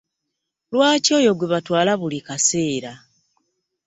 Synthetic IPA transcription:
lwaːco̞ːjo̞ɡweβatwaːlaβulikase̞ːɾa

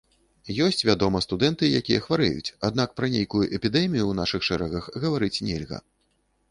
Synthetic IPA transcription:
jɔsʲt͡sʲvʲad̪ɔmɐst̪ud̪ɛnt̪ɨjakʲijɐxvaɾɛ̰jṵt͡sʲad̪nak̚pɾɐnʲejkujuʔɛpʲid̪ɛmʲijuwnaʂɨxʂɛɾɛɣɐxɣɐvaɾɨt͡sʲnʲɛlʲɣɐ̰

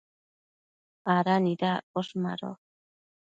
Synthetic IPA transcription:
aɾanidakoʃma̰ɾo̰

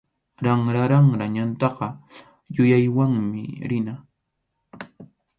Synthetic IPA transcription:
ɾaŋɾaɾaŋɾaɲant̪ɑqɑ | jʊjajwaŋmɪ̰ɾɪna

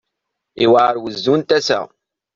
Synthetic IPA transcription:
iwaəɾwəzːunt̪æsə̰ʁ

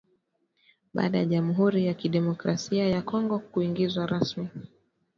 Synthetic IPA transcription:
ɓa̰ːɗajaʄamuɦuɾijakiɗɛmɔkɾasiajakɔŋɡɔkuiŋɡizwaɾasmi

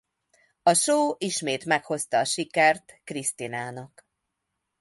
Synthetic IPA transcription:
ɒʃoːʔiʃmeːt̪mɛkho̞st̪ɒːʃikɛrt̪krist̪inaːnɒk

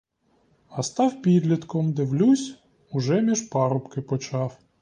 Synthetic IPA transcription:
ɐst̪ɑwpʲid̪lʲit̪kɔmd̪ɪwlʲusʲ | ʊʒɛmʲiʒpɑɾʊpkɪpɔt͡ʃɑw

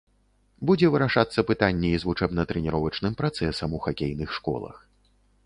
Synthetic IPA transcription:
bud͡zʲɛvɨɾaʂat̪sːɐpɨt̪anʲːɛizvut͡ʂɛbnɐt̪ɾɛnʲiɾɔvɐt͡ʂnɨmpɾat̪sɛsɐmuxakʲejnɨxʂkɔ̰lˠɐ̰x

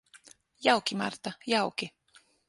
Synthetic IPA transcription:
jɑwkimɑ̰rt̪ajawki

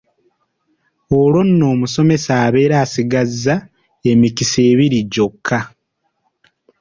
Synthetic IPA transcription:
olwo̞nːo̞ːmuso̞me̞saːβe̞ːɾaːsiɡazːa | e̞mikise̞ːβiɾiɟo̞kʰːa

